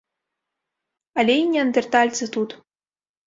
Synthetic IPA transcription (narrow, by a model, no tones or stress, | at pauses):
alʲeinʲiɐnd̪ʲɛrt̪alʲt͡s̪ɨt̪ut̪